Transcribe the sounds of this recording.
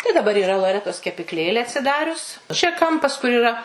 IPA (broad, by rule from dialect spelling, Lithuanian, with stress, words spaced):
tɐɪ dɐˈbɐr iːˈrɐ lˠoːˈrʲæːtoːs kʲɛpʲɪkˈlʲeːlʲeː ɐtʲsʲɪˈdɑːrʲʊs t͡ʃʲɛ ˈkɐmpɐs kʊr iːˈrɐ